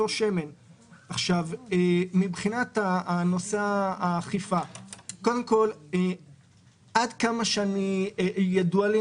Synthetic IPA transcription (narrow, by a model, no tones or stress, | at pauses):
oʃe̞me̞n | aχʃavemibχinat̪ano̞seaaχifakodemko̞l | ʔadkamaʃeanijaduale